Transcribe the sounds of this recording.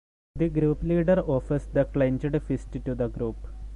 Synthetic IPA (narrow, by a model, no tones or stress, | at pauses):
d̪iɡɾuːpliːɖəɾɔːfəɾsd̪ɐklẽnd͡ʒəɖfisʈʈud̪ɐɡɾuːp